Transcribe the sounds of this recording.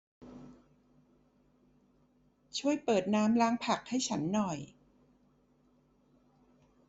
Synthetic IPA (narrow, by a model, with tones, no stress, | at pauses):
t͡ɕʰu˥˩əjpɤː˨˩t̪̚naː˦˥mlaː˦˥ŋpʰa˨˩k̚ha˥˩jt͡ɕʰa˦˥nːɔ˨˩j